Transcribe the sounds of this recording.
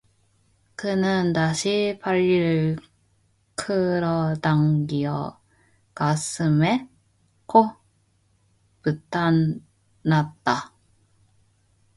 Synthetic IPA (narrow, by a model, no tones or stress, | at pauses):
kɯnɯntaɕʰipaʎːiɾɯɭ | kʰɯɾʌdaŋɡiʌ̰ | kasʰɯme̞ | kʰo | pɯt͈ʰan | nat̚t͈a